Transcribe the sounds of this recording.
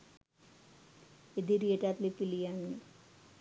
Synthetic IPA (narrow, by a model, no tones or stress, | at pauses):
ed̪iɾieʈat̪lipilijaŋːi